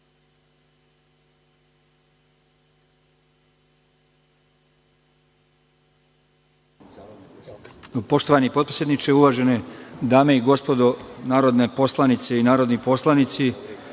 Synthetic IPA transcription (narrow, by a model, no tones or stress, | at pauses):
po̞ʃt̪oʋanipopɾoisjed̪nit͡ʃeuʋaːʒened̪aːme̞iɡo̞spo̞d̪onaːɾo̞d̪ne̞po̞slˠanit̪seinaːɾo̞d̪nipo̞slˠanit̪si